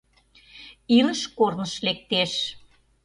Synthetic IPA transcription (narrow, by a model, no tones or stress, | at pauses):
iləʃkornəʃlek̚t̪eʃ